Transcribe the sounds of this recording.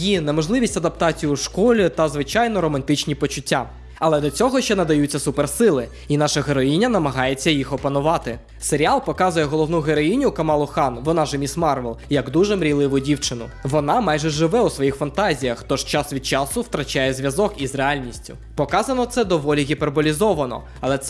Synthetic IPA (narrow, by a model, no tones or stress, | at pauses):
jinɛmɔʒlˠɪʋʲisʲtʲɐd̪ɐpt̪ɑt͡sʲijuʃkɔlʲit̪ɐzʋɪt͡ʃɑjnɔɾɔmɐnt̪ɪt͡ʃnʲipɔt͡ʃʊtʲːa | ɐlˠɛd̪ɔt͡sʲɔɦɔʃt͡ʃɛnɐd̪ɐjut͡sʲːɐsupɛrsɪlˠɪ | inɑʃɐɦeɾɔjinʲːɐnɐmɐɦɑjet͡sʲːɐjixɔpɐnʊʋɑt̪ɪ | seɾʲialˠpɔkɑzʊjɛɦɔlˠɔʋnuɦeɾɔjinʲʊkɐmɑlˠʊxɑnʋɔnɑʒemʲismɑrʋɛlˠjɐɡd̪uʒɛmɾʲilˠɪʋʊdʲiwt͡ʃɪnʊʋɔnɑmɑjʒɛʒɪʋɛusʋɔjixfɐnt̪ɑzʲijɐxt̪ɔʃt͡ʃɑsʋʲid̪̚t͡ʃɑsʊwt̪ɾɐt͡ʃajɛzʲʋʲjɐzɔkizrealʲnʲisʲtʲʊ | pɔkɑzɐnɔt̪sɛd̪ɔʋɔlʲiɦʲiperbɔlʲizɔʋɐnɔ̰ | ɐlˠɛt̪